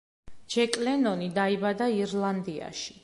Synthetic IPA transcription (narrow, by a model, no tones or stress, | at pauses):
d͡ʒɛkʼlɛnɔnid̪aibad̪aiɾlˠand̪ia̰ʃi̥